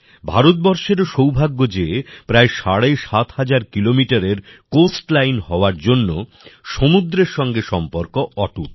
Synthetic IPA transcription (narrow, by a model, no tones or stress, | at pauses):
bʱaɾot̪̚bɔɾʃeɾʃowbʱaɡːod͡ʑeepɾaeʃaɽeʃat̪had͡ʑaɾkilomiʈaɾeɾkosʈlajnɦɔoaɾd͡ʑonːo | ʃomud̪ɾeɾʃɔŋɡeʃɔmpoɾkoɔʈuk